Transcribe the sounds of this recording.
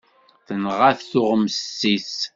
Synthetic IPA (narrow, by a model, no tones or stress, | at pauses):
θənʁaθθʊʁmsːis